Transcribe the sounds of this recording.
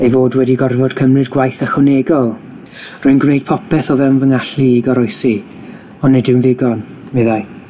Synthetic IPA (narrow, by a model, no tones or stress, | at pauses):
ejvoːdwɛdiɡɔrvɔdkʰəmrɨdɡwajθəχʊneɡɔlˠ | rʊɨnɡwnejd̥̚pʰɔpʰɛθɔvɛnvəŋaɬiːɡɔɾɔjsi | ɔnːɛdɪwnðɪɡɔn | mɪðaj